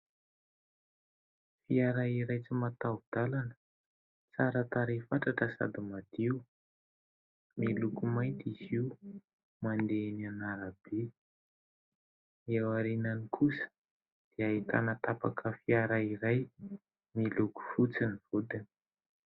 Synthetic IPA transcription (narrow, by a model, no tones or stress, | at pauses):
fiaɾaiɾajt͡simat̪ad̪̥alanə̥ | t͡saɾət̪aɾifaʈ͡ʂaʈ͡ʂəsa̰d̪umad̪iu | milukumajnt̪iziu | mand̪enianaɾab̥e | iawaɾinanikʰusə̥ | d̪̥eait̪a̰nət̪apa̰kʰəfiaɾaiɾaj | miluku̥fut͡sinivud̪ini̥